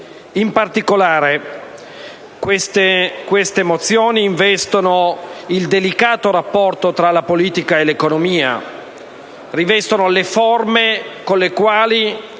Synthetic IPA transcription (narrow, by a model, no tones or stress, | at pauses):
impart̪ikolaːɾe | kwest̪ekwest̪emot̪sːjoːniːɱvɛst̪onoild̪elikaːt̪oɾapːɔrt̪ot̪ɾalapoliːt̪ikaelekonomiːa̰ | rivɛst̪onoleformekonlekwaːli